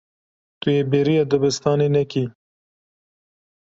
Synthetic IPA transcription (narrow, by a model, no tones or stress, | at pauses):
t̪ujebeɾijad̪ʊbɪst̪ɑːnenɛki